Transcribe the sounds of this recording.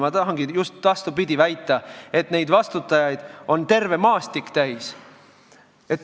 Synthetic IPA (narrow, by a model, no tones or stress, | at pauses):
mɑt̪ɑɦɑŋɡijust̪vɑst̪ubid̪̥ʲivæjt̪ːˑɑe̞t̪ne̞jd̪̥vɑst̪ut̪ːˑɑjɑjd̪̥o̞nt̪e̞rve̞mɑːst̪ikːt̪æjs | e̞t̪ː